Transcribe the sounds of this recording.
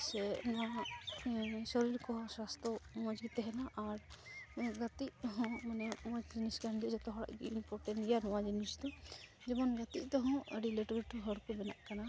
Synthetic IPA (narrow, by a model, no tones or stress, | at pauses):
sɛnɔwa | sɔɾiɾkɔɦɔ̃swast̪ɾɔmɔd͡ʒɡit̪ɛɦɛnaʔaɾ | ɡat̪iʔt̪ɔɦɔ̃manɛmɔd͡ʒd͡ʒiniskaɳdiʔd͡ʒɔt̪ɔɦɔɽa̰ʔɡiinpɔʈɛnjanɔwad͡ʒinisd̪ɔ | d͡ʒɛmɔnɡat̪iʔt̪ɔɦɔ̃ɾileʈɡəʈʰuɦəɽkubɛna̰ʔkana